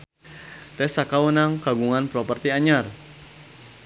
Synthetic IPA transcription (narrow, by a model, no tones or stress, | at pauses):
t̪ɛsakawunaŋkaɡuŋanpɾɔpərt̪iaɲar